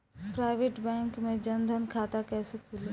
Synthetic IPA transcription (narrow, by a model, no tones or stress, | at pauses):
pɾaːɪʋeːʈbɛ̃ːŋkmẽd͡ʒɐnd̪ʱənkʰaːt̪akɛːsekʰul